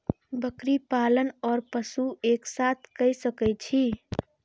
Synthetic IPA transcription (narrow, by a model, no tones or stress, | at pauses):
bəkɾipalənɔɾpəsueksat̪ʰkəjsəkəjt͡ʃʰi